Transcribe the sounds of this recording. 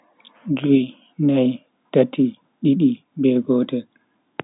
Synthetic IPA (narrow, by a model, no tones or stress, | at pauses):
d͡ʒuj | naj | tatʰːi | ɗiɗi | bɛɡɔːtɛ